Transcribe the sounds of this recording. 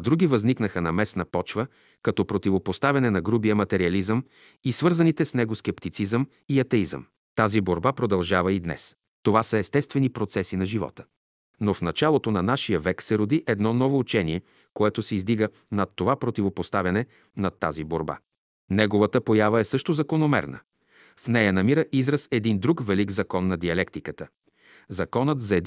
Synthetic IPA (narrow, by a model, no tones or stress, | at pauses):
d̪ɾuɡʲivɐzniknəxənɐmɛsnəpɔt͡ʃvə | kɐt̪ɔpɾot̪ivopost̪avʲɐnɛnɐɡɾubijəmɐt̪ɛɾiɐlizəm | isvɤɾzɐnit̪ɛsnɛɡoskɛpt̪it̪sizəm | iɐt̪ɛizə̰m | t̪aziboɾbapɾod̪ɐlˠʒavəid̪nɛ̰s | t̪ovasəɛst̪ɛst̪vɛnipɾot̪sɛsinɐʒivɔ̰t̪ə̥ | nofnɐt͡ʃalˠot̪onɐnaʃijəvɛksɛɾod̪iʔɛd̪nɔnɔvoːt͡ʃɛniɛ | koɛt̪osɛizd̪iɡə | nɐt̪ːovapɾot̪ivopost̪avʲɐnɛ | nɐt̪ːa̰ziboɾba̰ | nɛɡovət̪əpojavəɛsɤʃt̪ozɐkonomɛ̰ɾnə̰ | fnɛjənɐmiɾəʔizɾəsɛd̪ind̪ɾukvɛliɡzɐkɔnːɐd̪iɐlɛkt̪ikət̪ə | zɐkɔnət̪zɐɛd̪